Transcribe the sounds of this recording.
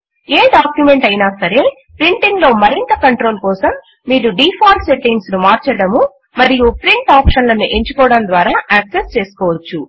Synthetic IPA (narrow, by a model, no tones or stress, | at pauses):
eːɖaːkjume̞ɳʈɐjinaːsɐɾe̞ | pɾiɳʈiŋɡlo̞ːmɐɾint̪ɐkɐɳʈɾo̞ːlkɔːsɐmː | iːɾuɖiːpʰaːɾse̞ʈːiŋɡsnumaːɾt͡ʃɐɽɐmu | mɐɾijupɾiɳʈaːpʂɐnlɐnuʔe̞ɲt͡ʃukɔːɽɐnd̪ʋaːɾaːʔaːkse̞st͡ʃe̞ːsu̥kɔːʋɐt͡ʃːu